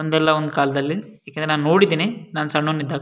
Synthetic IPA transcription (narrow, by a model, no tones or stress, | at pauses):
ond̪ɛlːaond̪ukaːlɐd̪ɐlːijaːkend̪ɾenaːnnoːɽid̪iːnenaːnsɐɳːoːnːid̪ːaːɡ